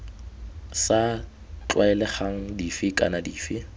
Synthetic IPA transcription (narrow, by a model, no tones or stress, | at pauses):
sa | t͡ɬwaɛlɛχaŋ̩difɪkʼa̰nadiːfɪ